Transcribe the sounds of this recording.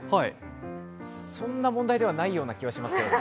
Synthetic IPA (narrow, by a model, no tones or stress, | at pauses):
haḭ | sõ̞nːamõ̞nd̪aid̪e̞βanaijo̞ːnakʲiβaɕimasɨo